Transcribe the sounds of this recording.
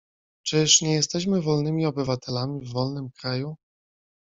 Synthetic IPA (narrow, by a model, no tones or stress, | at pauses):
t͡ʂɘʂɲɛjɛst̪ɛɕmɘvɔlnɘmʲiɔbɘvat̪ʰɛlamʲivːɔlnɘmkɾaju